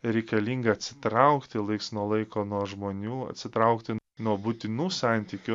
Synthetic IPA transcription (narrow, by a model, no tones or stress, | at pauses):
ɾʲɛɪkɐlʲiːŋɡɐɐt̪ʲsʲɪ̥t̪ɾɐʊkt̪ʲɪlˠɐɪksnuɔlˠɐɪkoːnuɔʒmoːnʲuːɐ̰t̪ʲsʲɪt̪ɾɐʊkt̪ʲɪnuɔbʊt̪ʲɪnuːsɑˑnʲt̪ʲiːkʲʊ